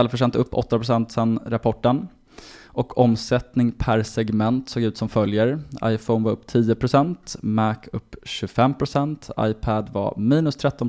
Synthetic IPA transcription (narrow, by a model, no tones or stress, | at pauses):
ɛlfœʂ̬ɛnt̪ɵpːɔ̰t̪ːapʰɾʊsɛnt̪sɛnɾapʰɔʈːən | ʔɔkʰɔmsɛt̪nɪŋpʰæɾsɛɡmɛnt̪soːɡʉ̟ːt̪sɔmfœljəɾa̰jfɔʊnvaɾɵpːt̪ʰiːəpʰɾʊsɛnt̪mækʰɵpːɕɵfɛmpʰɾʊsɛnt̪ʰa̰jpʰæd̪va̰miːnɵst̪ʰɾɛt̪ːɔn